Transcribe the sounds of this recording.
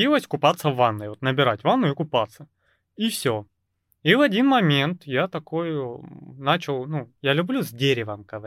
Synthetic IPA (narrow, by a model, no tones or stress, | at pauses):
ilˠəsʲkʊpat̪sːəvanːɨjot̪nəbʲɪɾatʲvanːʊɪkʊpat̪sə | ifsʲo | ivɐdʲinmɐmʲe̞nt̪jat̪ɐko̞j | nat͡ɕɪlˠnujalʲʊblʲuzʲdʲeɾʲɪvəmkəv